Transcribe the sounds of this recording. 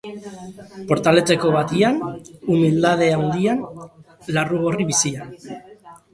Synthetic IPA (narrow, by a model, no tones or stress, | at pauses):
po̞ɾt̪ale̞t͡se̞ko̞βat̪ianumild̪að̞e̞awnd̪ian | laruɣ̞o̞riβisian